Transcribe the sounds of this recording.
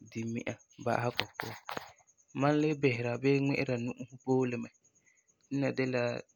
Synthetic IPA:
di˨mḭ˦ʔa˨ | ba̰˦ʔha˦kɔ˨pʊ̰˦˨ | mã˦n˦lɪ˦bɛ˨hɪ˨ɾa˨bɛ˦ŋɛ̰˦ʔɪ˦ɾa˨nu˦ʔu˦hʊ˦poː˦lɪ˨mɛ˨ | n̩˦na˨dɛ˦la˨

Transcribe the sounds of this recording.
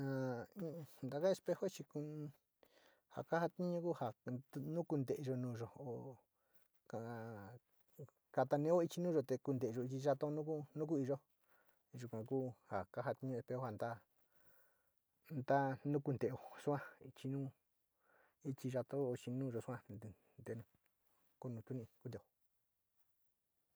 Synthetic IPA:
ã˨˦˧ | nd̪a˧ka˦e˧spe˧ho˦t͡ʃi˧ku˧ | ha̰˨ka˦ha˧t̪ĩ˦ɲũ˧˦ku˦ha˨˧nũ˦ku˧nd̪e˨ʔe˧ʒo˧nũː˧ʒo˨o˨ | ka˧˨ | ka˧t̪a˧nẽ˦o˦i˧t͡ʃi˧nũː˦ʒo˧t̪e˧ku˧nd̪e˨˧ʒo˧i˧t͡ʃi˧ʒa˧t̪o˦nũ˦ku˦nũ˦ku˦i˧ʒo˦ | ʒu˧kʷã˨kuː˦ha˨ka˦ɦa˧t̪i˧ɲũ˧e˧pe˧o˦ha˧˨nd̪a˦ | nd̪a˦nũ˦ku˧nd̪e˧˨o˨su˦ã˦i˧t͡ʃi˧nũː˦ | i˧t͡ʃi˧ʒa˧t̪o˦o˧t͡ʃi˧nũ˦˧ʒo˧su˦ã˦˧ | nd̪e˧nũ˧ | ko˦nũ˧t̪u˦nĩ˧ku˧d̪e˧˨o˧˨

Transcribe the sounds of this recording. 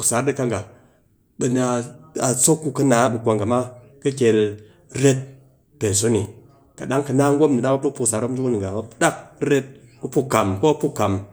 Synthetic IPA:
ksa˨˦ɾdi˦ka˦ŋɡa˨ | bə˨n˨a˧a˨so˦kːu˧kə˦naː˨˦bɨ˨kʷa˧ŋɡa˨ma˦ | kə˦kʲe˨˧l | ɾe˦t̚ | pe˨n˨s̬o˦ni˨ | ka˨ɗa˦ŋkə˧naː˦ŋ˦ɡʷo˦mni˨ɗa˦ba˦ɗu˦kpu˧ksa˨ɾo˦md͡ʒu˦wu˦ni˨ɡa˨a˦ɗa˦k̚ɾe˦t̚ku˦pu˦ka˨mko˦a˦pu˦kːa˨m

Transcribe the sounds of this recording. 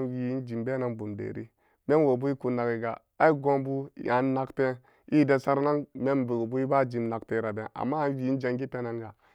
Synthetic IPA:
nwi˨i˦nd͡ʒi˨mbe˦na˦nbu˨mdḛ˨ɾḭ˦ | me˦nwo˨bu˦i˦ku˨na˨ɡi˨ɡa̰˨ | a˦i˦ɡo˦mbu˦˨a˨˦n˦na˦kte˦ | i˦de˨sa˦ɾna˦nme˦nbu˨ɡbu˦i˦ba˦˨d͡ʒi˨mna˨kte˦˨ɾa˨be˦nʔa̰˨mːa˦a˦n˦wi˦i˦n˦d͡ʒa˨ŋɡi˦te˦na˦ŋɡa˨

